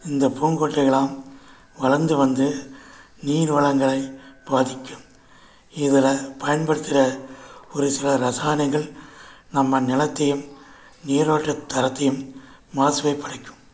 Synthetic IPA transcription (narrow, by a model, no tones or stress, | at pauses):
ɪnd̪ɐpuːnɡoːʈːɐɪɣɐɭaːm | ʋɐɭɐɾnd̪ɯʋɐnd̪ɯ | niːɾʋɐɭɐŋɡɐɭɐɪbaːðɪkʲːɯm | ɪðɪlɐpɐjɐnbɐɽɯt̪ːɪɾɐɔɾɯsɪlɐɾɐsaːnɐɡɐɭnɐmːɐnɪlɐt̪ːɐjɯm | niːɾaːʈːɐt̪ːɐɾɐt̪ːɐjɯmː | aːsɯʋɐɪpːɐɽɐɪkːɯ̥m